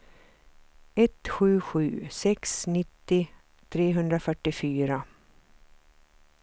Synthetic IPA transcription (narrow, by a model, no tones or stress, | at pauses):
ɛt̪ɧʉ̟ːɧʉ̟̰ːsɛksnɪt̪ːɪ | t̪ʰɾeːɦɵnd̪ɾafœʈːɪfyːɾa